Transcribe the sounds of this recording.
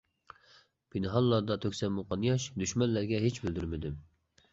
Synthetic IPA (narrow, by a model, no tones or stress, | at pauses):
b̥inɨɦɑlˠːɑɾd̪ɑt̪ʰøkʲsɛnmuqʰɑnjɑʃd̪yʃmɛnlæɾɡʲɛɦet͡ʃbɪld̪yɾmɪd̪ɪm